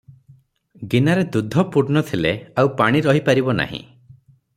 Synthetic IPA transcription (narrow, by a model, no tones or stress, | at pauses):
ɡinaɾed̪ud̪ʱɔpuɾnɔt̪ʰileawpaɽ̃iɾɔɦipaɾibɔna̰ɦḭ̃